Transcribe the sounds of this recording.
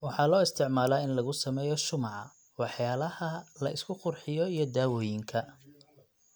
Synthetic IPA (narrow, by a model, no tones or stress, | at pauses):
wɑħɑːlɔːɪst̪ʰɪʕmaːlaːɪnlɐɣʊsɐmɛːjɔʃʊmɑʕɑ̰ | wɑħjaːlɐhɐlɐɪskʰʊqʊrħɪjɔijɞd̪aːwɔːjɪŋkʰɐ